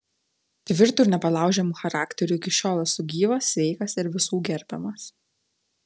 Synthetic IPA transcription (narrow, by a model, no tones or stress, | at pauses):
t̪ʲʋʲɪɾt̪uːɾnʲɛpɐlˠɑˑʊʒʲɛmuːxɐɾɑːkt̪ʲɛɾʲuɪkʲɪʃʲoːlˠɐsʊɡʲiːʋɐsʋʲɛɪkɐsɪɾʋʲɪsuːɡʲɛɾʲbʲɛmɐs